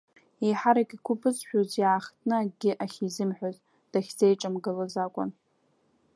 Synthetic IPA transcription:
ejħaɾakʲʼikʷʰʊpʰʼɨzħᶣozjaaχtʰʼnɨɡʲɪʔaχʲizɨmħʷᶣazʼ | d̥aχʲd͡zejʈ͡ʂʼɨmɡɨlazakʷʼʊ̰n

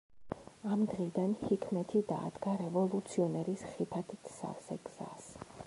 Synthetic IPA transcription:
amd̪ʁid̪anhikʰmɛt̪ʰid̪a̰ːd̪ɡaɾɛvɔlˠut̪sʰiɔnɛɾisχipʰat̪ʰit̪ʰsa̰vsɛ̰ɡ̥z̥a̰s

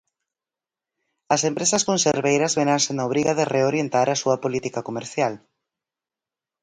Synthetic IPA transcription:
ɐsempɾesɐskonseɾβejɾɐzβeɾansenaoβɾiɣɐðereoɾjent̪aɾɐsuɐpolit̪ikɐkomeɾθjal

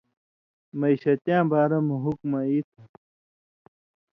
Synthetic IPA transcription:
mɐiɕɐt̪jãːbaːɾɐmuɦukmɐit̪ʰɐ

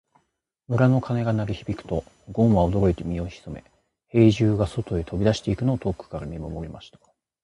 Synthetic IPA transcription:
mɯ̟ɾano̞kʰane̞ɡanaɾʲiçibʲikɯ̟̥t̪o̞ | ɡõ̞ɰ̃βaod̪o̞ɾo̞it̪e̞mʲio̞çi̥so̞me̞̰ | he̞ːʑɨːɡaso̞t̪o̞e̞t̪ʰo̞bʲid̪aɕi̥t̪e̞ikɯ̟no̞ːt̪o̞ːkːɯ̟̥kaɾamʲimomo̞ɾʲimaɕi̥t̪ḁ

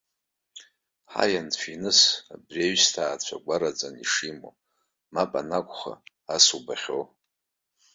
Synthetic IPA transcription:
ħa̰janfʰʷinɨsabreɥstʰaːt͡ɕʷʰaɡʷaɾad͡zʼaniʂimo̰ | mapʼanakʷʼχa̰ | asubaχʲo

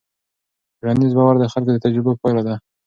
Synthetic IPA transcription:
ɾand̪izbɑwaɾd̪əxalkod̪ət̪ad͡ʒɾɪbappɑjlad̪a

